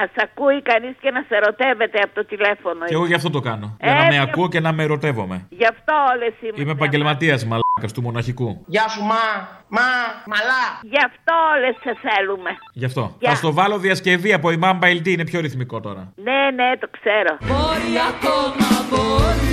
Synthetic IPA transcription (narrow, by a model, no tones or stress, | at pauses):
ɐsɐkuikɐniscenɐseɾo̞t̪eve̞t̪eɐpot̪ot̪ilefo̞noeɣoʝɐft̪o̞t̪okɐno̞ɐenɐmeɐuoce̞nɐmeɾo̞t̪e̞vo̞̰me̞̰ʝɐft̪o̞olesimimeːpɐɲɟe̞lmɐt̪iɐsmɐlɐkɐst̪umo̞nɐçikuʝɐsumɐmɐmɐlɐʝɐft̪o̞oleseθelumeʝɐft̪o̞ɐst̪o̞vɐlo̞ðiɐsce̞viɐpo̞imɐmbɐjlt̪iine̞pço̞ɾiθmiko̞t̪o̞ɾɐ̰nenet̪o̞kseɾo̞boɾiɐkomɐbo